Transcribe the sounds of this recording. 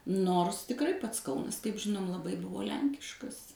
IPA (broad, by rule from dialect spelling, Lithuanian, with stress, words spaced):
ˈnoːrs tʲɪkˈrɐɪ ˈpɐts ˈkɐʊnɐs kɐɪp ˈʒʲɪnoːm lˠɐˈbɐɪ ˈbʊʋoː ˈlʲɛŋʲkʲɪʃkɐs